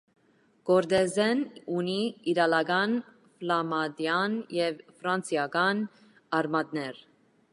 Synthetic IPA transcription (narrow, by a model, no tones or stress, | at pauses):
ɡ̥ɔɾd̪ɛzɛnuniiɾɑlɑɡɑn | flɑmɑd̪jɑnjɛvfɾɑnsjɑɡɑn | ɑɾmɑd̪nɛɾ